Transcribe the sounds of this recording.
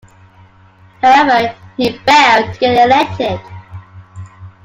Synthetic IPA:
haʊɛvəhibɛʊɡɛəlɛk̚tʰɪd̥

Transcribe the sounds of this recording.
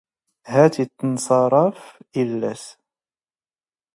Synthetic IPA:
hæt̪it̪ːnsˤɑɾˤɑfʔɪlːæs

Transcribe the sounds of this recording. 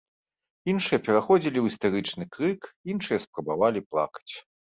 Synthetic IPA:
inʂɨjɐpʲɛɾaxɔd͡zʲilʲiwist̪aɾɨt͡ʂnɨkɾɨkinʂɨjɐspɾɐbavalʲiplˠa̰kɐ̥t͡sʲ

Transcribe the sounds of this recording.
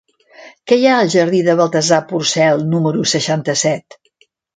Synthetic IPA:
kɛjaəlˠʒəɾðiðəβəlˠt̪əzapursɛlˠnuməɾusəʃant̪əsɛt̪

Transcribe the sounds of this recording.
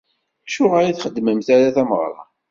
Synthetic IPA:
ʃʊʁaɾaθχəd̪ːməmθæɾaθæməʁɾˤɑ̰

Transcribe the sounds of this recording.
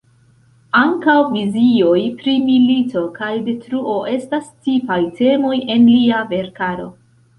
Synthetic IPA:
aŋkawvizio̞jpɾimilito̞kajde̞tɾuo̞ʔe̞stast͡sipajte̞mo̞je̞nliave̞ɾkaɾo̞̰

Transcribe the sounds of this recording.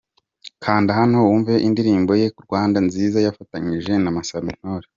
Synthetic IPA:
kʰaːndihano̞wuɱveʔindiɾiːmbo̞je̞kuɾɡwaːndanziːzajafataɲiʒe̞namasamin̥oːɾe

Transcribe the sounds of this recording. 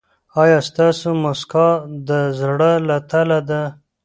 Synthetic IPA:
ɑjɑst̪ɑsomoskɑd̪əzɽəlat̪alad̪a

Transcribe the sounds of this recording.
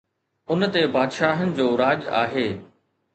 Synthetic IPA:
ʊnt̪ebaːd̪ʃaːɦənɪ̆d͡ʑoːɾaːd͡ʑa̰ːɦeː

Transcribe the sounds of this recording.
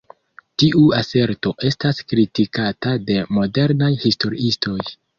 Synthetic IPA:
tiʔuase̞ɾto̞ʔe̞staskɾitikatade̞mo̞de̞ɾnajhisto̞ɾiisto̞j

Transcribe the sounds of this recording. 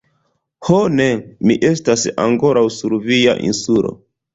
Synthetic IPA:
honemiʔe̞stasa̰ŋko̞ɾʔawsuɾvija̰ʔḭnsulo̰

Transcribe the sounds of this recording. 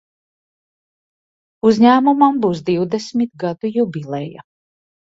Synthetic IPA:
uzʲɲæːmumambuwsd̪iwd̪esmʲit̪̚ɡad̪ujubʲilˠɛja̰

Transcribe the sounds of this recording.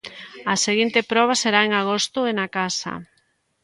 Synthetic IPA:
ɐseɣint̪epɾɔβ̞aseɾaeŋaɣ̞ost̪ʊenakasɐ̰

